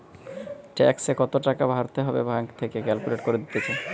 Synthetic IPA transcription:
ʈɛ̰ksekɔt̪oʈakabʱaɾt̪eɦɔbḛbʱaŋkt̪ʰekekɛlkuleʈkoɾed̪it̪et͡ɕʰe

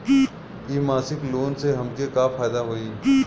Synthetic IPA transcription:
iːmaːsɪkloːnseɦɐmkekaːfaːjd̪aɦoːiː

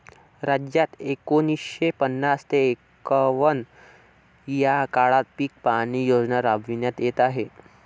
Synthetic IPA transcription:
ɾad͡ʑjat̪ekonisɕepənːast̪eːkəʋən | jakaɭat̪̚piːk̚paɽ̃iːjod͡znaɾabʱʋinjat̪jet̪aɦe

